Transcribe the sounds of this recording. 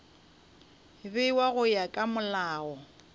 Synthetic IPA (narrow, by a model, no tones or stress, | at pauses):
bɪiwaɣʊjakʼamʊlaːɔ